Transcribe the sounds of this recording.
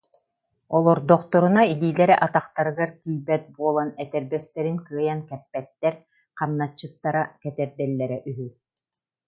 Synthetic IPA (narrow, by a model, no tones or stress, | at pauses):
ɔlˠɔɾd̪ɔqt̪ɔɾunailiːlɛɾɛʔat̪aχt̪aɾɯɡaɾt̪iːjbɛt̪̚buɔlˠanɛt̪ɛɾbɛst̪ɛɾinkɯɐjankɛpːɛt̪ːɛɾ | qamnat͡ɕːɯt̪ːaɾakɛt̪ɛɾd̪ɛlːɛɾɛʔyɦy